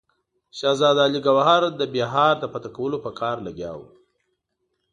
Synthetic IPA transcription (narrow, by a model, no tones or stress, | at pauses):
ʃɑzɑd̪ɑliɡawaɦɑɾd̪əbeɦɑɾd̪əpat̪akawəlopəkʰɑɾlaɡjɑ̰w